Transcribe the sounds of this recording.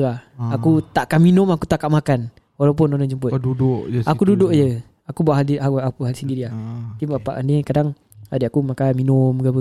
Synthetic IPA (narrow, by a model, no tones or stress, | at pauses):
aakut̪aʔkaminʊmakut̪aʔkaʔmakan | walawp̬ʊnɔdɔnd͡ʒəmpʊtdudʊʔʔakkududʊʔd͡ʒə | akubuaʔɦaldiaakuɦalisəndidiat̪imbapa̰ʔa̰nikadaŋ | adəakumakanminʊmɡapə